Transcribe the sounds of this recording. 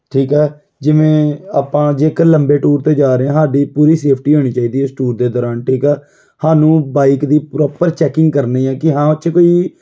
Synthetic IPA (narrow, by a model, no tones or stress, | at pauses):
ʈʰiːkɛː | d͡ʒɪʋẽːaːpãːd͡ʒeːkələmbeːʈuːɾt̪eːd͡ʒaːɾeɛ̃ːsaːɖiːpuːɾiːseːpʰʈiːɦoːɽ̃iːt͡ʃaːiːd̪iːɛsʈuːɾd̪eːd̪ɔːɾaːnʈʰiːkɛː | haːnũːbaːikd̪iːpɾɔːpəɾt͡ʃɛːkɪ̃ŋɡkəɾneiːɛ̃ːkɪɦãːət͡ʃːkoːiː